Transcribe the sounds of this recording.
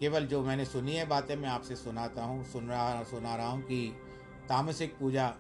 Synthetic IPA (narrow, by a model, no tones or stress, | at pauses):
keːʋəld͡ʒoːmɛ̃ːnesʊniɦɛbaːt̪ẽmɛ̃aːpsesʊnaːt̪aɦũsʊnsʊnaɾɐɦaɦũki | t̪aːmsɪk̚puːd͡ʒa